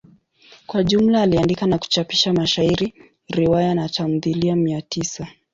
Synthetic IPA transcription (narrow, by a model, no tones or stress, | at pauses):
kwaʄum̩laːliandikanaku̥t͡ʃapi̥ʃamaʃaiɾi | ɾiwajanatam̩ðiliamiatisa